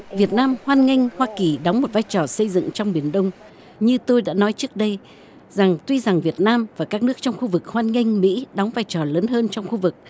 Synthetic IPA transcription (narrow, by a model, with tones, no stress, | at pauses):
vi˨˩ət̚naː˧mhwaː˧nŋa˧ŋ̟hwaː˧ki˨˩ɗɔ˨˦ŋ͡mmo˨˩t̚vaː˧jt͡ɕɔ˨˩sə˧jzɨ̰˧˨ŋt͡ɕɔ˧wŋ͡mɓi˨˧˩ənɗə˧wŋ͡m | ɲɨ˧t̪o˧jɗa̰ː˧˥nɔ˨˦jt͡ɕɨ˦˥ək̚ɗə˧j | za˨˩ŋt̪wi˧za˨˩ŋvi˨˩ət̚naː˧mvaː˨˩kaː˦˥k̚nɨ˦˥ək̚t͡ɕɔ˧wŋ͡mxu˧vɨ˨˩k̚hwaː˧nŋa˧jŋ̟mḭ˧˥ɗɔ˨˦wŋ͡mvaː˧jt͡ɕɔ˨˩ləː˨˦nɦəː˧nt͡ɕɔ˧wŋ͡mxu˧vɨ˨˩k̚